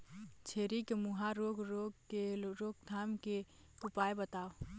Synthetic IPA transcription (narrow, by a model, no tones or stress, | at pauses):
t͡ʃʰeːɾikemʊɦaɾoːɡɾoɡkeɾoːɡ̚d̪ʱaːmke | ʊpaːebət̪aːo